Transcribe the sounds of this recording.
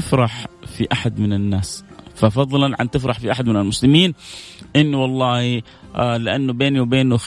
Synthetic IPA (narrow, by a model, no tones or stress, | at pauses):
ɪfɾˤɑħfiʔaħad̪mɪnɪnːaːs | fafɑðˤlɑnʕa̰nt̪ɪfɾˤɑħfiʔaħad̪mɪnalmʊslɪmiːnʔɪnːiwɑlˤːɑːhi | lɪʔanːʊbeːniwbeːnʊx